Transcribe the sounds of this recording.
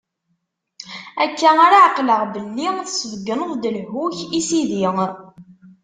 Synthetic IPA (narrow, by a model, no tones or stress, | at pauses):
ækːæaɾaʕəqləʁbəlːiθəsəvəɡːənəðˤd̪əlhuçisiðiŋ